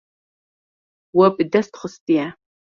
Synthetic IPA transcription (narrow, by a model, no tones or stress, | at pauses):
wɐpʼdɐst̪χəstʼia